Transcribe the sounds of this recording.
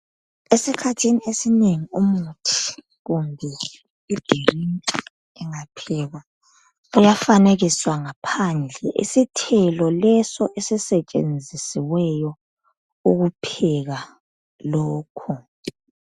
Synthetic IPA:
esikʰatʰiniesineŋiumutʰi̥ | ɣumbʱɛ | id̥ʱirintʼi | ɛŋapʰɛɣa | ujafaneɣiswaŋapʰand͡ɮʱɛʔḭsitʰɛlɔlɛsɔʔesisɛt͡ʃʼḛnd͡zʱisiwɛjɔ | uɣupʰɛɣa | lɔːkʰu

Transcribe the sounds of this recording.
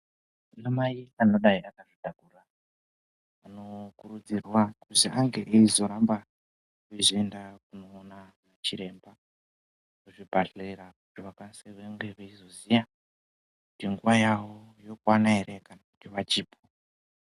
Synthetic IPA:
nomaiano̞ɗaiakaʐidʱakura | no̞kurud͡zirwakuziʔaŋɡe̞ʔeizo̞ɾamba | kuizoendakunoːnamat͡ʃiɾe̞mba | kuʐibʱarreɾakutiʋakanseʋeŋɡeʋeizozija | kutiŋɡuʋajawojokwanaeɾekanakutiʋat͡ʃiːpʰo

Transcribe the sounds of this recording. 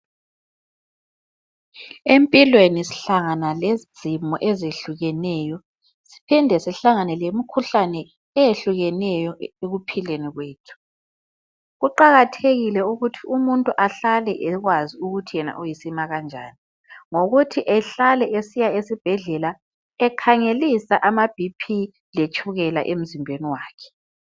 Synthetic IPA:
empʼilwenisi̥ɬaŋanalezi̥z̥ʱimɔʔezeɬuɣɛnɛːjɔ | si̥pʰindʱɛsɛɬaŋanɛlemikʰuɬanɛː | jeɬuɣɛnɛjɔeɣupʰileniɣweːtʰu̥ | ɣuǃaɣatʰeɣilɛuɣutʰiʔumuntʼuʔaɬalɛʔɛɣwaziuɣutʰijɛna̰ʔujisimaɣand͡ʒʱa̰ːni | ŋoɣutʰiʔɛɬalɛʔesijaesib̥ʱɛɮɛla | ɛkʰaŋelisaʔamab̥ʱipʰi | let͡ʃʼʰuɣɛla̰ʔem̩zimbʱeniwaːkʰɛ̥

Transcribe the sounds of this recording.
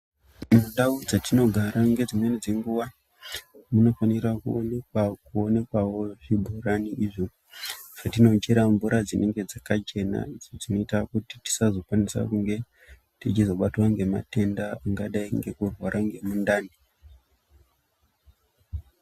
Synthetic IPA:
munɗaud͡zatino̞ɡʱaɾaŋɡe̞d͡zimwe̞nid͡ze̞ŋɡuʋa | muno̞fanirakuneakuone̞kwawo̞ʐibʱuraniʔiʐo | satino̞t͡ʃeɾambuɾad͡zinʔeŋɡe̞d͡zakat͡ʃe̞na̰id͡zod͡zino̞itakuti̥ti̥sazo̞kwanisa̰kuŋɡe̞ | tit͡ʃizo̞ɓatwaŋɡe̞ma̰te̞ndaaŋɡaɗaiŋɡe̞kurwaɾaŋɡe̞mundaːni

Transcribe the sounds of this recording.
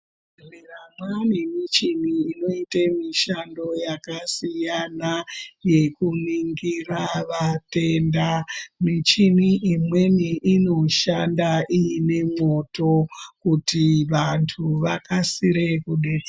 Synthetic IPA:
miramwanimit͡ʃiniːno̞itemiʃando̞jakasijanaje̞kuniŋɡiraʋate̞ndamit͡ʃiniʔimwe̞niʔino̞ʃandaʔiine̞mo̞to̞kutiʋantʰuʋakasiɾe̞kuɗed͡z

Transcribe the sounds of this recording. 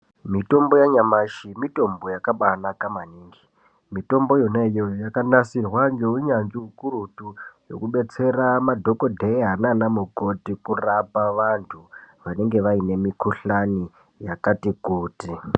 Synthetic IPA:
mito̞mbo̞jaɲamaʃimito̞mbo̞jakaɓanakamaniːŋɡi | mito̞mbo̞jonejojakanasirwaŋɡeuɲand͡ʒiukurutujo̞̰kuɓe̞t͡se̞ramadʱo̞ko̞dʱeiɦananamuɡo̞tikurapaʋantʰuʋane̞ŋɡe̞ʋaine̞mikuɬani | jakatikuːti

